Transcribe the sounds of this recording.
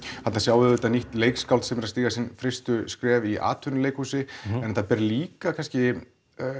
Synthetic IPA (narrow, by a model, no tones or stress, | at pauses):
hat̪nasjawvɪðʏt̪aniht̪leːjkskawlt̪sɛmɛɾast̪iːɣasɪnfɾɪst̪ʏskɾɛːviʔa̰ːt̪ʰʏnɪleːjkhusɪɛnt̪ːapɛɾliːkakʰanscɪ